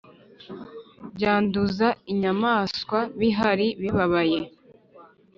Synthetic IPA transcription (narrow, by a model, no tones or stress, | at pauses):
ɟaːnduzaiɲamaːskwaβiɦaɾiβiβaβaje̞